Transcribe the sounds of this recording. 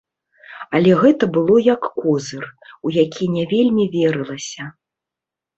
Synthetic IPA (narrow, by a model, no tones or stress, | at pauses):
ɐlʲɛɣɛt̪ɐbɨlˠɔjɐkːɔzɨrujakʲʰinʲɛvʲelʲmʲivʲeɾɨlˠɐsʲɐ